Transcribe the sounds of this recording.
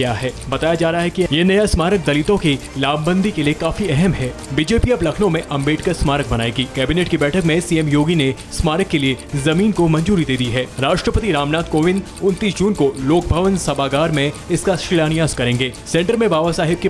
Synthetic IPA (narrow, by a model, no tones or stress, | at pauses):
jaɦɛːbɐt̪aːjad͡ʒaːɾɐɦaɦɛkijenɐjasmaːɾək̚d̪ɐlɪt̪õki | laːbbə̃nd̪ʱikeliekaːfiɛɦɛmɦɛːbɪd͡ʒeːpiɐblɐkʰnõmẽʔɐ̃mbeːʈkɐɾsmaːɾək̚bɐnaːeɡiːkɛːbɪneːʈkibɛːʈʰəkmẽsiɛmjoːɡine | smaːɾəkːeliezɐmiːnkomɐ̃nd͡ʒuːɾid̪eːd̪iɦɛːɾaːʃʈɾəpət̪iɾaːmnaːt̪koːʋɪn | ʊ̃nt̪iːsd͡ʒuːnkoloːk̚bʱɐʋənsɐbaːɡaːɾmẽɪskaʃɾɪlaːnijaːzkɐɾẽːŋɡeːsɛ̃ːɳʈəɾmẽbaːʋasaːɦɪb̚ki